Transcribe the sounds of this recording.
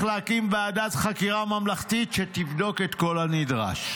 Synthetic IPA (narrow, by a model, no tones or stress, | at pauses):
χleakimbeadat̪χakiʁamamlaχt̪itʃet̪ivdo̞ket̪ko̞lhanidʁa̰ʃ